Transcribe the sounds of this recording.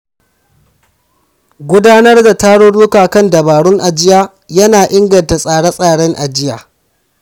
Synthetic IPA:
ɡʷʊ˦daː˦nɐ˦rda˨taː˦ɽoː˦ɽuː˦kaː˨kɐ˦˨ndɐ˨baː˨ɽʊ˦ŋʔa˨d͡ʒɪ˦jaː˦ | jɐ˦naː˨ʔɪ˦ŋɡɐ˨nta˨sʼaː˨ɽa˦sʼaː˨ɽɛ˦ŋʔa˨d͡ʒɪ˦ja̰ː˨

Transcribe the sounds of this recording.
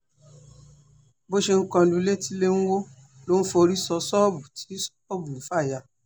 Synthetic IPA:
bo˦ʃe˧ŋ̩˦kã˧lũ˧˦le˦ti˦le˦ñ̩˦wo˦ | lo˦n̩˦fo˧ɾi˦sɔ˧sɔ˦bu˨ti̥˨˦ | ɔ˦bu˨n̩˨˦fa˦˨ja˨

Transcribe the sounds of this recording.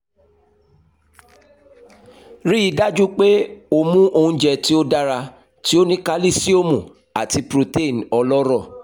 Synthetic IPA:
ɾi˦i˧˦da˦d͡ʒu˦k͡pe˦o˧mũ˦ʔo˧˨ũ˧˦d͡ʒɛ˧ti˦o˦da˦ɾa˧ | ti˦o˦nĩ˦ka˦li˦˨si˦o˦mũ˨ | a˨ti˧pɾo˧te˦˨n˨ɔ˧lɔ˦ɾɔ˦˨

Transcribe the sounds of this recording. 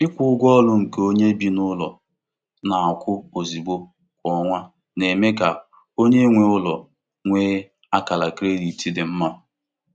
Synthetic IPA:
ɪ˦kʷʊ˨ʊ˦ɡʷɔ˦lʊ˦ŋ̩˨ke˦o˦ɲe˦bi˦nʊ˦lɔ˨ | na˨a˨kʷʊ˦o˨zi˨bo˦ | kʷɔ˦ŋʷa˦ | ne˨me˦ka˨ | o˦ɲe˦ŋʷe˨ʊ˦lɔ˨ | ŋʷeː˦ | a˦ka˨la˨kɾe˦li˨ti˦dɪ˨m̩˦ma˦

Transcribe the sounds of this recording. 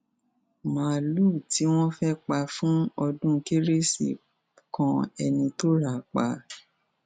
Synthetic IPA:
mã˨luː˦˨ti˨˦w̃ɔ̃˦fɛ˦k͡pa˧fũ˦ɔ˧dũ˦˧ke˦ɾe˦sḭ˨ | kɔ̃˧ɛ˧nĩ˧to˦ɾa˨k͡pa˨˦

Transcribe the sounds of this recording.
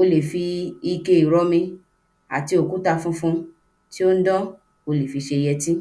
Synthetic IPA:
o˧le˨fi˧i˧ke˧i˨ɾɔ˨˦mĩ˧ | a̰˨ti˧o˨ku˦ta˧fũ˦fũ˦ | ti˦o˦n̩˦dɔ̃˦ | o˧le˨fi˨˧ʃe˧jɛ˧tĩ˦

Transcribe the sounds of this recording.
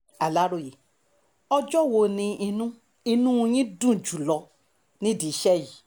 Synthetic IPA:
a˨la˨˦ɾo˦˨je˨ | ɔ˧d͡ʒɔ˦˨wo˧˨nĩ˧i˧nũ˦ | i˧nũ˦˧j̃ĩ˦dũ˦˨d͡ʒu˨lɔ˧ | nĩ˦di˨˦ʃɛ˦˨ji˨

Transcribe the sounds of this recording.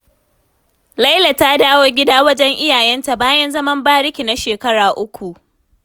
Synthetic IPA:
lɐ˦jla˨taː˦daː˦woː˦ɡʲɪ˦daː˦wɐ˦d͡ʒɛ˦ŋʔɪ˦jaː˨jɛ˦nta˨baː˦jɐ˦nzɐ˦mɐ˦mbaː˦ɽɪ˦kʲi˨na˦ʃeː˨kɐ˦ɽaː˨ʔʊ˦kʷu˨ʔ

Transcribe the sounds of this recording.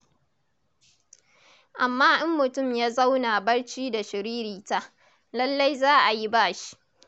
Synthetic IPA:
ʔa˨mːaː˦ʔɪ˦mːʊ˨tʊ˦˨mjaː˦za˦wna˨bɐ˦ɽt͡ʃiː˦da˨ʃɪ˨ɾiː˦ɾiː˨ta˦ʔ | lɐ˦lːa˦jzaː˦ʔa˨ji˦baː˦ʃi̥˦ʔ

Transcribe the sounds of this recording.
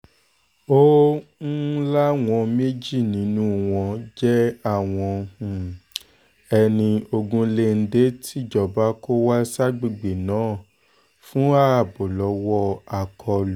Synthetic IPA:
o˦n̩˦la˦w̃ɔ̃˧me˦d͡ʒi˦˨nĩ˨˦nũ˦˨w̃ɔ̃˧d͡ʒɛ˦a˦˨w̃ɔ̃˧˨ | ɛ˧nĩ˧o˧ɡũ˧le˧n̩˦de˨˦tʰi˦˨d͡ʒɔ˨ba˨˦ko˦wa˦sa˦ɡ͡bi˧˨ɡ͡be˨nãː˨˦˨ | fũ˦a˦˨bo˨lɔ˨˦wɔ˦a˨kʰɔ˧l

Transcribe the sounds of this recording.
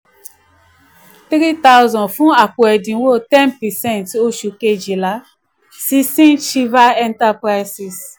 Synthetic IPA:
tɾi˦t̪a˦wzɔ̃˨nfũ˦a˨ku˨ɛ˨dĩ˨˦wo˦˨tɛ˦npɛ˨sɛ̃˦˨nto˦ʃu˨ke˦d͡ʒi˨la˨ | si˦sĩ˦nt͡ʃi˦va˦ɛ̃˦nta˦pɾa˦jsi˨s

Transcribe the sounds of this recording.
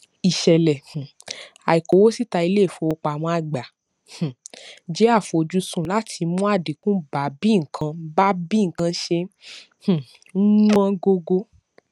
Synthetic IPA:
i˨ʃɛ˨lɛ̃˨ | a˨i˨ko˨wo˦si˦ta˧i˧le˦˨fo˧wo˧k͡pa˨w̃ɔ̃˧a˧˨ɡ͡ba˨ | h̩˨d͡ʒe˨˦a˦˨fo˨˧˨d͡ʒu˧˦sũ˦˨la˨˦tʰi˧mũ˦a˦˨di˨kũ˦ba˨˦bi˦˨ŋ̩˨kʰã˧ba˦bi˦ŋ̩˨kã˧ʃe˧ | h̩˨˦ | wɔ̃˦ɡo˧ɡo˧

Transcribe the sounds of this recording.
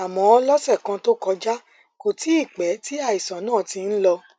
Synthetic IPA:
a˨mɔ̃˨˧˦ɔ˧lɔ˦sɛ˦˨kã˧to˦kɔ˧d͡ʒa˦ | ko˨ti˨˦i˦˨k͡pɛ˨˦ti˦a˦˨i˨sã˨˦nãː˦˨ti˧n̩˦lɔ˧

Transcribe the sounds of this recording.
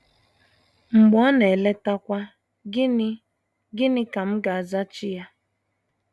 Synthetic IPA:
ŋ͡m̩˨ɡ͡bɔ˨˦ne˨le˦ta˦kʷa˦ | ɡɪ˦nɪ˦ka˨m̩˦ɡa˨a˨za˦t͡ʃɪ˦ja˦

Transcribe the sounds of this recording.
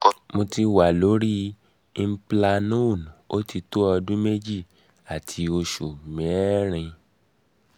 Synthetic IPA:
mo˧ti˧wa˨lo˨˦ɾi˦˧˦ | pla˧nũ˦˨n˨o˦ti˧to˦ɔ˧dũ˦me˦d͡ʒi˦˨ | a˨tʰi˨˧o˧ʃu˨mɛ̃˨˦ɾ̃ĩ˧

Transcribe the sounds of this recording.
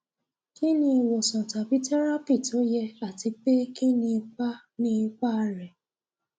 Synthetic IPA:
ki˦nĩ˧i˧wo˨sɔ̃˨ta˨bi˨˦tɛ˦ɾa˦pi˦˨to˨˦jɛ˧a˦˨ti˧k͡pe˦ki˦nĩ˧i˧k͡pa˦ | nĩ˦i˧k͡pa˦˧ɾɛ˨

